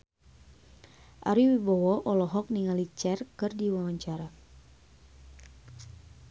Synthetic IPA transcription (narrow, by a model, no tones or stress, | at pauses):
ʔa̰ɾiwibɔwɔʔɔlɔɦɔk̚niŋalit͡ʃɛrkɨrdiwawaɲt͡ʃaɾa